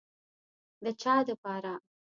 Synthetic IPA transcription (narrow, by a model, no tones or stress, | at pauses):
d̪ət͡ʃɑːd̪əpɑɾa